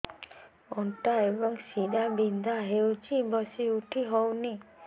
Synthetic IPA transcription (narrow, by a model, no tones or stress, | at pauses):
ɔɳʈaebɔŋsiɗabind̪ʱaɦewt͡ʃʰibɔsiuʈʰiɦɔwni